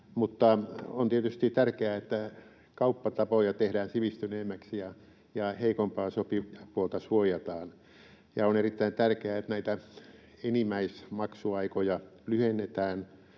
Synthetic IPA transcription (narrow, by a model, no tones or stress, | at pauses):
mut̪ːɑo̰nt̪iet̪yst̪it̪ærkeæet̪ːæ | kɑupːɑt̪ɑpojɑt̪ehdæːnsiʋist̪yneːmːæksjɑ | jɑheikompɑːsopipuolt̪ɑsuojɑt̪ɑːn | jɑonerit̪ːæint̪ærkeæet̪næit̪æ | enimæismɑksuɑikojɑlyhenːet̪æːn